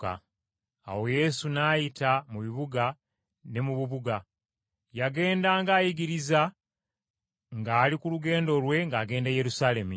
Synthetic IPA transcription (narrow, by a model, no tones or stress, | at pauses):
a̰ | a̰wo̞je̞sunaːjitamuβiβuɡa | ne̞muβuβuɡa | jaɡe̞ːndaːŋɡaːjiɡiɾiza | ŋɡaːlikuluɡe̞ːndo̞lwe̞ŋɡaːɡe̞ːndaje̞ɾusaːle̞mu